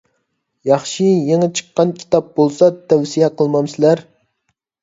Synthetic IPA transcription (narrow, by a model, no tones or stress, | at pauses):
jɑχʃijeŋɨt͡ʃʰə̥qːɑnkʲʰi̥t̪ɑp̚bolˠsɑt̪ʰɛwsijɛqʰəlˠmɑmsɪlæɾ